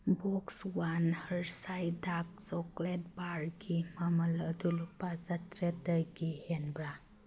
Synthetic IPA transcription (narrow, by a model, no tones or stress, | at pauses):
bɔkswanhəɾsajdak̚t͡ʃɔklet̚baɾɡimamələdulupazatɾetəjɡihenbɾa